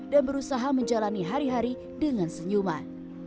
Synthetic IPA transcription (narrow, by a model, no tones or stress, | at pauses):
danbəɾusaɦaməɲd͡ʒalaniɦaɾiɦaɾi | dəŋansəɲuma